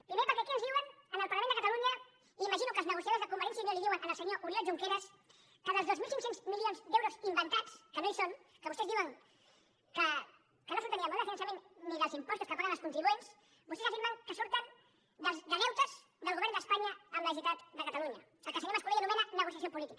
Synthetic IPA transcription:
pɾimepəɾkɛɐkiənzðiwənənəlˠpɐɾlɐmend̪əkət̪aluɲə | iːmɐʒinukəlˠznəɣusjaðoɾzðəkumbəɾɛns̬janoliðiwənənəlˠsəɲoʔuɾjoʒuŋkeɾəs | kəðəlˠzðozmilˠsiŋksenzmilionzd̪ewɾuzimbənt̪at͡skənoisonkəβust̪ɛzðiwəŋ | kə | kənosuɾt̪əniəmõndəfinəns̬jɐmenniðəlˠzimpɔst̪uskəpaɣənəlˠskunt̪ɾiβuens | bust̪ezafet̪mawkəsuɾt̪ən | d̪əlˠzd̪əɣɛwt̪əz̥ | d̪əlˠɣuβɛɾnd̪əspaɲɐːmːəsit̪at̪d̪əkət̪aluɲɐ | sɛlkəlsəɲoɾmɐskuliənumɛnənəɣusiasiopulit̪ikə

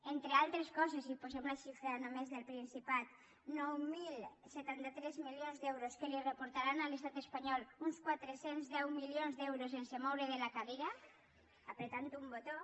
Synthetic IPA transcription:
ent̪ɾealt̪ɾeskɔs̬esiposemlaʃifɾanomezðelpɾinsipat̪ | nɔwmilset̪ant̪at̪ɾezmiljonzd̪ɛwɾoskelirepoɾt̪aɾanalest̪at̪espaɲɔlunskwat̪ɾesenzðɛwmiljonzðɛwɾos̬ensemowɾeðelakaðeɾa | apɾet̪ant̪uumbot̪o

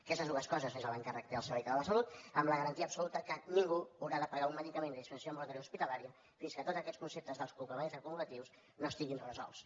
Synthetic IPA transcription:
kɛst̪əzðuəskɔzəsmezəlβəŋkarək̚t̪eəlˠsəɾβɛjk̪əðələsəlut̪əmləɣəɾənt̪iəpsulut̪əkəniŋɡuəwɾaðəpəɣaunməðikəmenəispənsoəmbult̪əɾiouspit̪əlaɾiə | finskət̪od̪d͡zəkɛt̪skunsep̚t̪əzðəlˠskulˠkəβaizəkumulət̪iws | noəst̪iɣinrəzɔ̰lˠs

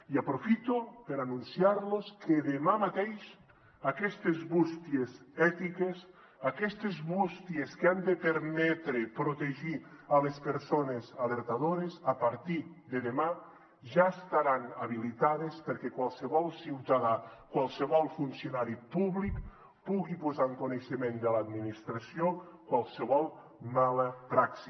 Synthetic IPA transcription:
iapɾofit̪opeɾanũnsjaɾloskʰeðemamat̪ejʃ | akɛst̪ezβust̪ies | ɛt̪ikes | akɛst̪ezβust̪jeskeand̪epeɾmɛt̪ɾepɾot̪eʒialespeɾsonezaleɾt̪aðoɾesapaɾt̪i | d̪eðema | ʒaest̪aɾanaβilit̪aðespəɾkɛkwalˠsəβɔlˠsiwt̪aðakwalˠsəβɔlˠfunsiunaɾipuβlik | puɣipozaŋkuneʃemend̪ələaːd̪minist̪ɾasiokwalˠsəβɔlˠ | maləpɾaksi

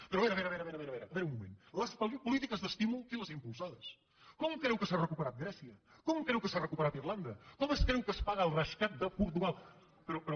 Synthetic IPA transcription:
peɾoβɛɾɐβɛɾɐβɛɾɐβeɾɐβɛɾɐβɛɾɐβeɾumumḛ̃nlɐsppulit̪ikɐzðəst̪imulˠkilɐzimpulˠsaðɐs | kɔmukɾewkəsarəkupəɾat̪̚ɡɾɛsiɐ | kɔmukɾewkəsarəkupəɾat̪iɾlˠand̪ɐkɔmɛskeewkəspaɣəːlˠrɐʃkat̪̚d̪əpuɾt̪uɣalˠ | pɾopɾo

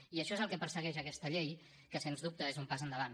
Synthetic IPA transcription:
iəʃɔezəlˠkɛpəɾsəɣɛʒəkɛst̪əʎej | kəsenzðup̚t̪əezumpazənd̪əβan

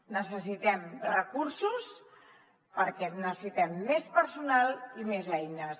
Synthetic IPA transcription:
nəsəsit̪ɛmrəkuɾsus | pəɾkɛnəssit̪ɛmːespəɾsunalˠimezɛjnəs

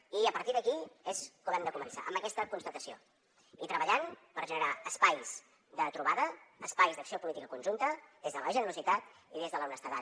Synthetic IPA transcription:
iəpəɾt̪iðəkiezkuβɛmd̪əkumənsa̰ʔə̰mbəkɛst̪əkunst̪ət̪əsio̰ | it̪ɾəβəʎampəɾʒənəɾaəspajz | ðət̪ɾuβaðəːspajzðəksiopulit̪ikəkunʲʒunt̪əðezðələʒənəɾuzit̪at̪ | iðezðələwnəst̪əða

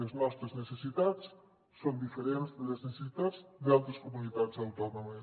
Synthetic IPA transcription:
eznɔst̪ɾeznesesit̪at̪t͡s | sond̪ifeɾenzðeðeznesesit̪azðealˠt̪ɾɐskomunit̪at̪sawt̪ɔnomes

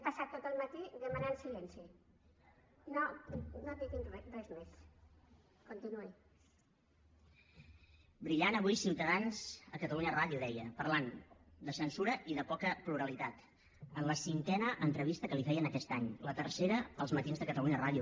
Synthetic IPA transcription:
pəsat̪ːot̪əlˠmət̪iðəmənansilɛnsi | nonot̪ik̪inrɛrrɛzmes | kont̪inui | bɾiʎanəβujsiwt̪əðanzəkət̪əluɲəraðjuðɛjəpərland̪əsənsuɾəʔiðəpɔkəpluɾəlit̪at̪ | ənləsiŋkɛnəʔənt̪ɾəβ̞ist̪əkəlifɛjənəkɛst̪aɲlət̪ərseɾəəlˠzmət̪inzðəkət̪əluɲəraðju

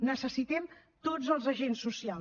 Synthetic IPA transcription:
nəsəsit̪ɛm | t̪od͡zəlˠzəʒensːusia

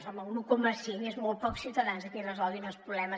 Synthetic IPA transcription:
sɔməɣnukuməsienezmolˠt̪̚pɔksiwt̪əðanzəkɛrəzɔlˠd̪inəlˠspɾuβlɛmə

